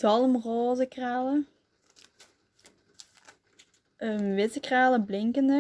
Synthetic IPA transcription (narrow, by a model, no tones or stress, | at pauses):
zɑlˠmroːzəkraːlə | əʋɪtəkraːləblɪŋkəndə